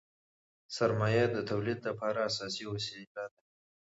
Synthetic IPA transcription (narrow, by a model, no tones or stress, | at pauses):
saɾmɑjad̪ət̪ʰawlid̪lapɑɾaːsɑsioselɑd̪a